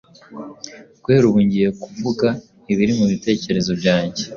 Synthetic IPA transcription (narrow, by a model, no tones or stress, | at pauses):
ɡ̥we̞ːɾuβuɲɟije̞kuvuɡa | iβiɾimuβite̞ːce̞ɾe̞zo̞bɟaːɲɟe̞